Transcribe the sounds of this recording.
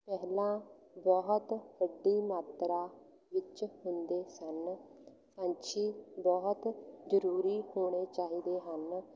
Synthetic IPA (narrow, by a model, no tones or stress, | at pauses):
pɛɦlãːbɔɦt̪ʋəɖːiːmaːt̪ɾaː | ʋɪt͡ʃhʊnd̪eːsən | sãːɲt͡ʃiːbɔːɦt̪d͡ʒəɾuːɾiːhoːɽ̃eːt͡ʃaːɦiːd̪eːɦən